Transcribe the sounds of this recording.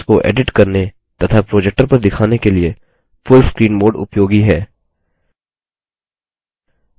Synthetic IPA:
koʔḛːɖɪʈkɐɾne | t̪ɐt̪ʰapɾoːd͡ʒɛk̚ʈəɾpɐɾd̪ɪkʰaːnekelie | fʊlskɾiːnboːɾɖʊ̰pjoːɡiɦɛː

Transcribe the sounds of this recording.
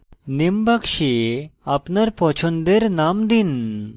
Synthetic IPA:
nimbakʃeapnaɾpɔt͡ʃʰɔnd̪eɾnamd̪in

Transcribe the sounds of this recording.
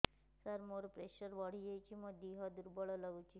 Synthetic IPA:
səɾmoɾpɾeɕəɾʋəɽ̤ijejt͡ʃiməd̪ʱiɦad̪uɾbəɭɔləʋut͡ʃi

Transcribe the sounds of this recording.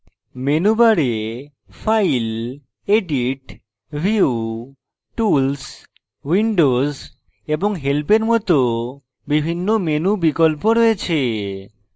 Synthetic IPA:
menubaɾe | fajl | eɖiʈ | bʱiu | ʈuls | wiɳɖoz | eboŋɦelpeɾmɔt̪o | bibʱinːomenubikolpoɾɔjet͡ɕʰe

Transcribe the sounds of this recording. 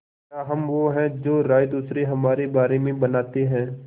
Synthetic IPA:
aɦɐmʋoɦɛ̃d͡ʒoːɾaːjd̪uːsɾeɦɐmaːɾebaːɾemẽbɐnaːt̪eɦɛ̃ː

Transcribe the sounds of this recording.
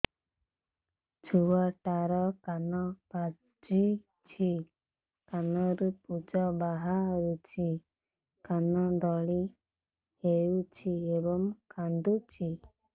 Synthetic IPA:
t͡ʃʰuwaʈaɾɔkanɔka | d͡ʒi | t͡ʃʰi | kanɔɾupud͡ʒɔbaɦaɾut͡ʃʰi | kanɔd̪ɔɭi | heut͡ʃʰiebɔŋkand̪ut͡ʃʰi

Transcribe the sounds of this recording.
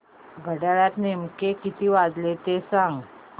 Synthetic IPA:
ɡʱəɽaɭjat̪nemkekit̪iːʋad͡zlet̪esãŋɡ

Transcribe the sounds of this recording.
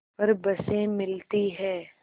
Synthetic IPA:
pɐɾbɐsẽmɪlt̪iɦɛː

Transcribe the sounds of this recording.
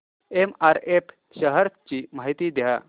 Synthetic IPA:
emaɾepʰ | ɕəɦəɾt͡ɕiːmaɦit̪iːd̪ja

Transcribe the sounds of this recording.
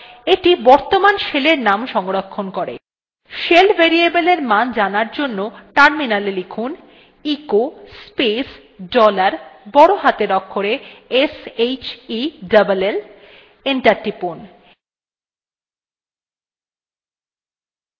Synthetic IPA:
eʈibɔɾt̪omanʃeleɾnamʃɔŋɡoɾokʰːonkoɾḛ | ʃelbʱeɾiebeleɾmand͡ʑanaɾd͡ʑonːoʈaɾminalelekʰun | ikospes | ɖɔlaɾbɔɽoɦat̪eɾɔkʰːoɾeesejt͡ɕiɖabalel | eɳʈaɾʈipon

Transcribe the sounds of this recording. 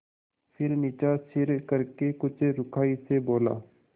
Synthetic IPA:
pʰɪɾnɪːt͡ʃaːsɪɾkəɾkekʊt͡ʃʰɾʊkʰaːiseboːla̰ː

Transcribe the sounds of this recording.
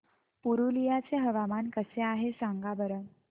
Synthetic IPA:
puɾulijat͡seɦəʋamankəseaɦesaŋɡabəɾə

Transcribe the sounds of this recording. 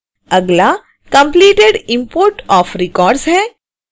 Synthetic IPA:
ɐɡla | kɐ̃mpliːʈeɖɪ̃mpoːɾʈɔːfɾɪkɔːɾɖsɦɛː

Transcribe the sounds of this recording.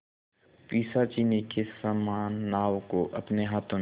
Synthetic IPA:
piːsat͡ʃiːnekesaːmaːnːaːʋkoʔɐpneɦaːt̪ʰõ

